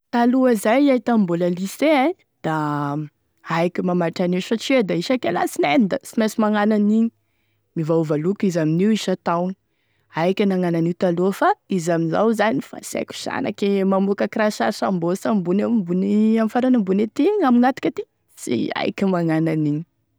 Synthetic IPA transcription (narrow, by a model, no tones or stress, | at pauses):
t̪aluəzajait̪amboləlisea | d̪̥a | ajkʲimamaʈ͡ʂaniʃat͡ʃd̪aiʃakela̰sinend̪asimesimaŋananiɲi̥ | mivauvalukizaminiwiʃat̪awni | ajkʲənaŋananiwt̪aluəfaizamiza̰wzanifa̰sa̰kʲu̥z̥a̰na̰kemamukəkrasasambosambunambuniamifaɾanambunet̪iŋaminat̪u̥kʲat̪i | sḭa̰jkʲimaŋananiɲi̥